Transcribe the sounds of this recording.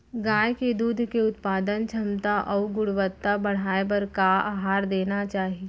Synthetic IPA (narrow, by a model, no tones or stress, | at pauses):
ɡaːjked̪uːd̪ʱkeʊt̪paːd̪ənt͡ʃʰɐmt̪aʔɔːʋɡʊɽʋət̪ːabɐɽ̤aːebɐɾkaaːɦaːɾd̪eːnat͡ʃaːɦie